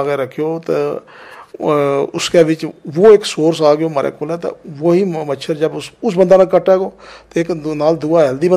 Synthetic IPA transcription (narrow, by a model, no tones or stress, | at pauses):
ɡeːɾəkʰːjoːt̪eː | ʊskeːʋɪt͡ʃʋoːɪksoːɾsaːɡɪjoːmaːɾʔḛːkoːlɛːt̪ḛ̃ːʋoːɦiːmətːʃʰəɾd͡ʒəbʊsʊs̬bənd̪aːnakəʈːɛːɡoːt̪eɪknaːld̪uːaːɦɛld̪iːbə